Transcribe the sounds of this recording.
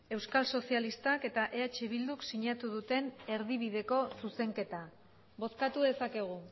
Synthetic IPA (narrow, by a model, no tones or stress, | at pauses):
e̞wskalso̞sialist̪ake̞t̪aʔe̞at͡ʃeβild̪uksiɲat̪uð̞ut̪e̞ne̞ɾðiβ̞iðe̞ko̞suse̞ŋke̞t̪a | bo̞skat̪uðe̞sake̞ɣ̞u